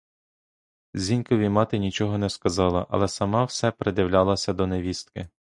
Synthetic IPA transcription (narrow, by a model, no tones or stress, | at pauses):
zʲinʲkɔʋʲimɑt̪ɪnʲit͡ʃɔɦɔnɛskɐzɑlˠɐ̰ʔɐ̰lˠɛsɐmɑwsɛpɾed̪ʲɪwlʲalˠɐsʲɐd̪ɔneʋʲist̪kɪ